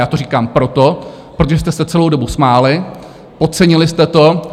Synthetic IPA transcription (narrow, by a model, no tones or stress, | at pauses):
jaːt̪oɾ̝iːkaːmpɾot̪o̞ | pɾot̪oʒɛs̬t̪ɛsɛt͡sɛlowdo̞busmaːlɪ | pot̪̚t͡sɛɲɪlɪst̪ɛt̪o̞